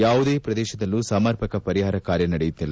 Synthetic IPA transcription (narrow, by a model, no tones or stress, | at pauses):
jaːʋud̪eːpɾɐd̪ɛːʃɐd̪ɐlːusaːmɐɾpʰɐkɐpɐɾiɦaːɾɐkaːɾjɐnɐɽɛjut̪ːilːɐ